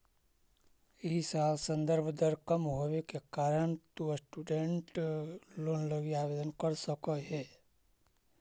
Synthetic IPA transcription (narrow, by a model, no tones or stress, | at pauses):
ɪɦisaːlsə̃nd̪əɾbʱd̪əɾkəmɦoʋekekaːɾəɳ̃t̪osʈuːɖeɳʈloːnləɡiaːʋeːd̪ənkəɾsəkəɦɛː